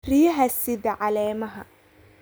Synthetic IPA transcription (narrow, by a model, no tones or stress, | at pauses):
riːɦɐsɪd̪ɐʕalɛːmɐɦɐ̰